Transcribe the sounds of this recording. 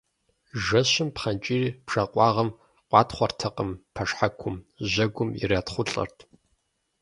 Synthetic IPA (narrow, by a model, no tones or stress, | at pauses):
ʒɐɕɪmpχɐnt͡ʃʼiːriːpʂɐqʷʼɑːʁɐm | qʷʼɑːtχʷɔrtʰɐqʼəmpʰɐʂħakʷʰʊmʑɐɡʷʊmḭraːtχʷʊɬʼɐ̰rtʰ